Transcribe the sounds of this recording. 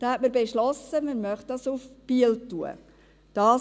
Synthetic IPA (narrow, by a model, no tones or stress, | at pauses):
d̥ɑhɛt̚məɾbeʃlɔsəməɾmœχt̚dɑsufb̥iəltuə̰ | d̥ɑː